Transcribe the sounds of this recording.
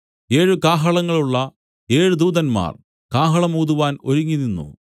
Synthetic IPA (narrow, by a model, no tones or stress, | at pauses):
e̞ːɻukaːɦɐɭɐŋːɐɭuɭːɐ | e̞ːɻud̪uːðɐnma̰ːr | kaːɦɐɭɐmuːðuʋaːno̞ɾuŋːinːinːṵ